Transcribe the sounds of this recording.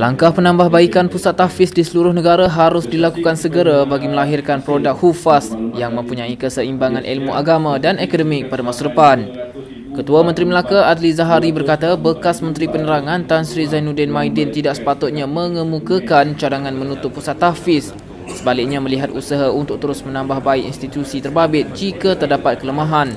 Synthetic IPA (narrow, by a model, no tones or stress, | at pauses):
laŋkahpənãmbahbaikanpusat̪ːafɪsdisəluɾʊhnəɡaɾaɦaɾʊsdilakukansəɡəɾabaɡiməlaɦirkanpɾodak̚hufasjaŋmə̃mpuɲãikəsəimbaŋãnʔḭlmuʔaɡamãdanekodəmɪk̚padamasadəpan | kət̪uamə̃nt̪ɾiməlakaadlizaɦaɾibərkat̪abəkasmə̃nt̪ɾipənəɾaŋãnt̪ansɾizajnudɛnmãjdɛnt̪idaʔsə̥pat̪ʊt̪̚ɲãmə̃ŋə̃mũkakant͡ʃaɾaŋãnmə̃nut̪ʊpːusat̪ːafɪsː | əbalɪk̚ɲamə̃liɦat̪̚usaɦaʔunt̪ʊk̚t̪əɾʊsmə̃nãmbahbaiʔḭnst̪it̪usit̪ərbabɪt̪̚d͡ʒikat̪ərdapat̪̚kələmaɦan